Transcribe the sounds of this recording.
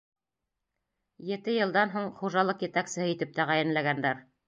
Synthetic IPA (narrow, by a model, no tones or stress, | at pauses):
jɘ̆t̪ɘjɤ̆lˠd̪ɑnɦuɴχuʒɑlˠɤqjɘ̆t̪æksɘ̆hɤit̪ɘp̚t̪æʁæjɘ̆nlæɡænd̪æɾ